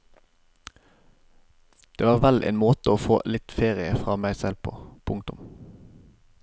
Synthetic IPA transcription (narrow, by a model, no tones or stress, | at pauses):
d̪̥eːʋɑːʁʋælʔḛːnmoːt̪əoːfoːlɪt̪feːʁɪəfʁɑːmæɪsɛlpʰo̰ːpʰʊŋt̪ʊm